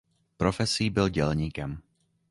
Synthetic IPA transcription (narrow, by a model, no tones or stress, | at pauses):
pɾɔfɛsiːbilɟɛlɲiːkɛm